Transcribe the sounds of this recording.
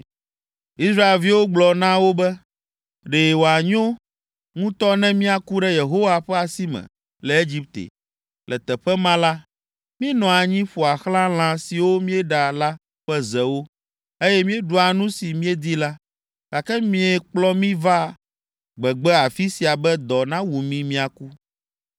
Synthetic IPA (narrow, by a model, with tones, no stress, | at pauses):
i˦sɾa˦e˨lvi˦wo˦ɡ͡blɔ˨nã˦wo˦bɛ˦ | ɖe˨wo˨a˨ɲõ˦ | ŋũ˦t̪ɔ˦nɛ̃˦mĩ˦a˨ku˦ɖɛ˦je˨ɦo˦wa˨ɸɛ˦a˨si˦mɛ̰̃˨ | lɛ˨e˦d͡ʑi˦p̚t̪ḛ˨ | lɛ˨t̪ɛ˨ɸɛ˦mã˦la˦ | mĩ˦nɔ̃˨a˨ɲĩ˦ɸo˨a˨xlã˦l̃ã˦si˨wo˦mĩ˦ɛ˦ɖa˨la˦ | ɸɛ˦zɛ˨wo˦ | e˦jɛ˦mĩ˦e˦ɖu˨a˨nũ˦si˨mĩ˦ɛ˦d̪i˦la˦ | ka˨kɛ˦mĩ˦ɛ˦k͡plɔ˦mĩ˦va˦ | ɡ͡bɛ˨ɡ͡bɛ˦a˨fi˦si˨a˨bɛ˦d̪ɔ˨nã˦wu˨mĩ˦mĩ˦a˨ku˦